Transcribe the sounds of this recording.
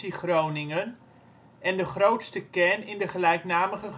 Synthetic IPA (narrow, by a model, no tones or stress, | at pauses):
iχrownɪŋən | ɛndəχrowtstəkɛnɪndəχəlɛjknaːməχə